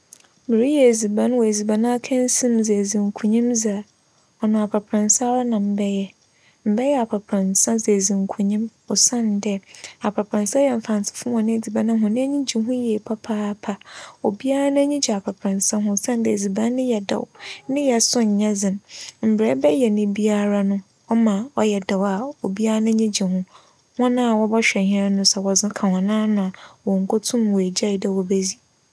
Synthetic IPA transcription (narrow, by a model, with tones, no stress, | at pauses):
mɪ˨ɾi˦jɛ˨d͡zi˨bã˦n˦wɔ˨e˨zi˨bã˨nã˦a˦kʰɛ̃˦n̩˦sĩ˦mze˨zĩ˨ŋ˨kʰũ˨ɲĩ˦mza˨ | ɔ˨nʊ̃˨a˨pʰa˨pʰɾã˨nsa˦ɾa˦nã˨m̩˨˦bɛ˦jɛ˦ | m̩˨bɛ˦jɛ˦a˨pʰa˨pʰɾã˨nsã˦ze˨zĩ˨ŋ˨kʰũ˨ɲĩ˦mɔ˨sã˦˨ndɛ˦a˨pʰa˨pʰɾã˨nsa˦jɛ˨m̩˨fã˨n˨sʰɪ̥˨fʊ̃˦m˦ɔ̃˨nɪ̃˦˨d͡zi˨bã˨nã˦ɦʊ̃˨nɪ̃˦ɲĩ˦d͡ʑi˨ɦʊ̃˦jɛ˨pʰa˦pʰaː˦pʰa˨o˨bi˦a˦ɾa˦ñ˦ɲĩ˦d͡ʑi˨a˨pʰa˨pʰɾã˨nsa˦ɦʊ̃˦sã˦n˦dɛ˨d͡zi˨bã˦nɪ̃˦jɛ˨da̰˨wnɪ̃˦jɛ˨sʊ̃˦ɲ̩˨ɲã˦d͡zɪ̃˨mm̩˨bɾɛ˦bɛ˦jɛ˨nɪ̃˦bi˦a˦ɾa˦nʊ̃˦ | ɔ˦mã˨ɔ˦jɛ˨da˨wa˨o˨bi˦a˦a˦nã˦ɲĩ˦d͡ʑi˨hʊ̃˦ | hɔ̃˦nã˦a˨wɔ˦bɔ˦ɕᶣɛ˨hɪ̃˦a˦nʊ̃˦sɛ˨wɔ˨d͡zɪ̃˦kʰã˨hɔ̃˨nãː˦nʊ̃˨a˨wɔ˨ŋ̩˨kʰo˦tʰũ˦mwɔ˨e˨d͡ʑa˦i˨dɛ˨wɔ˨be˦d͡zi˨